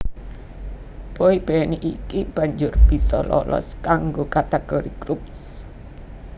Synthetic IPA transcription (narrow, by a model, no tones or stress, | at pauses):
b̥ɔib̥ɛniʔikib̥a̤ɲd͡ʒʊrb̥i̤sɔlɔ̰lɔ̰skaŋɡokat̪eɡ̥ɔɾiɡɾups